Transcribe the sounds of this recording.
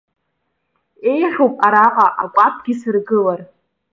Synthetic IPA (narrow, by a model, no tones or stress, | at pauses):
e̞jħopʼaɾaqʼaʔakʷʼapʰʼɡʲɪsɨrɡɨlar